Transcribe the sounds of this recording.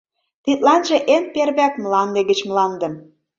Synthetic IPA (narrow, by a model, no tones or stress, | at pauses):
t̪it̪̚lɑnʒĕʔenperβækmlɑnd̪ĕɣə̆t͡ɕmlɑnd̪ə̆m